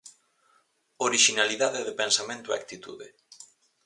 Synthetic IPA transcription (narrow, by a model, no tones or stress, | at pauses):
oɾiʃinaliðaðeðepensamẽnt̪ʊḛa̰kt̪it̪ṵðɪ̰